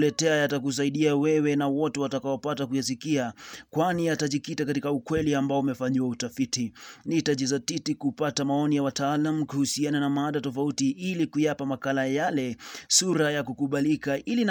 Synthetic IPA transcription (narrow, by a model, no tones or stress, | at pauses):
lɛtɛajatak̬us̬aiɗiawɛwɛnawɔtɛwatakaɔpatakujas̬ikiakwaniataʄikitakatikaukwɛliambaɔumɛfaɲiwautafitinihitaʄizatitikupatamaɔnijawataːlamukuhusiananamaaɗatɔfautiʔilikujapamakalajalɛsuɾajakukuɓalikaʔilin